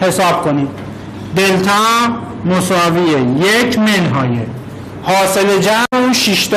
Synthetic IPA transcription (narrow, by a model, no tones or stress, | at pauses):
he̞sɒːb̥̚kʰo̞niːd̪ | d̪elt̪ʰɑː | mosɒːviejecʰmenɦɒːje | hɒːseled͡ʒæmuʃiʃt̪